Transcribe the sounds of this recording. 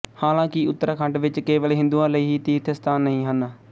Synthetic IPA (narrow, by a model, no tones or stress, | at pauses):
haːlãːkɪʊt̪ːəɾaːkʰəɳɖʋɪt͡ʃkeːʋəlːɦɪ̃nd̪uːãːləiːɦiːt̪iːt̪ʰest̪aːnːəĩːɦənaː